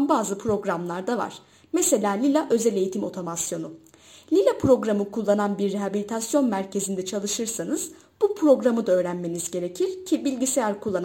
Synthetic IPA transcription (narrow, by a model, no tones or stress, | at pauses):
nbaːzɯpʰɾo̞ɡɾamlˠaɾd̪ava̰ɾ̥ | me̞se̞lʲaːlʲilʲaʔø̞zelʲe̞jit̪ʰimo̞t̪ʰo̞masjo̞nu | lʲilʲapɾo̞ɡɾamɯkʰulˠːananbiɾːeɦabilʲit̪ʰasjo̞nmæɾcʰe̞zind̪ɛt͡ʃʰalˠɯʃɯɾsanɯz̥ | b̥upʰɾo̞ɡɾamɯd̪aøːɾænme̞nizɟe̞ɾe̞cʰiɾ̥cʰibilʲɟisejæɾkʰulˠːan